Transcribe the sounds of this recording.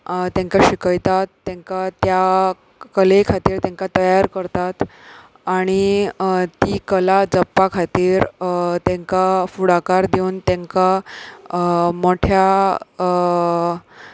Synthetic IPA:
t̪jẽŋkaɕikəjt̪at̪ːẽŋkat̪ja | kəlekʰat̪iːɾt̪jẽŋkat̪əjaɾkəɾt̪at̪ | aɽ̃i | t̪ikəlad͡zəpːakʰat̪iːɾt̪ẽŋkafuɽakaɾd̪euːnt̪ẽŋka | moʈʰja

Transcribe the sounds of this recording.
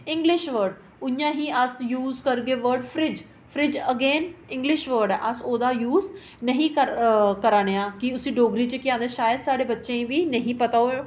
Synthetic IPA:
ɪ̃ŋɡlɪʃʋəɾɖ | ʊjãːɦĩːəsjuːzkəɾɡeːʋəɾɖpʰɾɪd͡ʒ | pʰɾɪd͡ʒəɡeːnɪ̃ŋɡlɪʃʋəːɾɖɛʔəsoːd̪aːjuːz | nəɦĩːkəkəɾãːneãːkɪʊsĩːɖoːɡɾiːt͡ʃəkɪãːnd̪eʃaːjəd̪saːɽeːbətːʃẽːʋiːnəɦĩːpət̪aːoː

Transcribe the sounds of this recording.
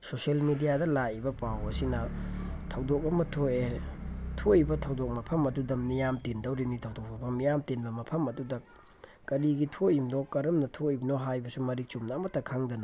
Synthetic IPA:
soselmidijadɐlaʔibɐpawɐsinɐtʰɐwdok̚ɐmɐtʰoetʰoibɐtʰɐwdok̚mɐpʰɐmɐdudɐmnijamtendɐwɾinitʰɐwdok̚mɐpʰɐmnijamtenbɐmɐpʰɐmɐdudɐ | kɐɾiɡitʰojimnokɐɾɐmnɐtʰoibnoɦajbɐsumɐɾik̚t͡ʃumnɐːmɐtːɐkʰaŋdɐnɐ

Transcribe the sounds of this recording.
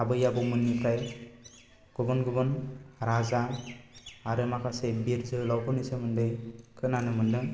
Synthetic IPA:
abɯjabɔmɯnːipʰɾaj | ɡ̥ubɔnɡubɯnɾazaː | ɾɯmakʰasebiɾzɯlawpʰɔnɯsɯmɯndɯjkʰɯnanɯmɯndɯŋ

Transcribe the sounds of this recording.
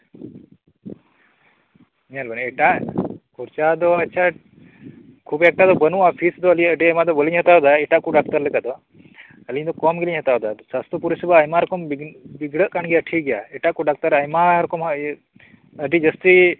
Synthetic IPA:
ɲɐlbɐneʈaʔkuɾt͡ʃad̪ɔɐtːt͡ʃʰa | kʰubek̚ʈad̪ɔbɐnuapʰisd̪oliəɖiɐjmad̪ɔbəliɲɦət̪aɦud̪aiʈakuɖaːk̚t̪əɾlekad̪ɔ | əliɲd̪okoːmɡiliɲɦɐt̪aɦud̪asast̪upuɾusibaɐjmaɾkomɡbiɡɽəʔkaɳɡijaʈʰiːk̚ɡijaiʈaʔkuɖak̚t̪əɾɐjmaɾkom | əɖid͡ʒɐsʈi

